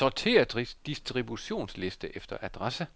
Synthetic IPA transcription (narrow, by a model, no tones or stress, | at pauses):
ɒt͡sʰe̝̰æd̥ʁisd̥isd̥ʁibuɕo̝̰ːnsle̝sd̥əʔefd̥ɐʔæd̥ʁasə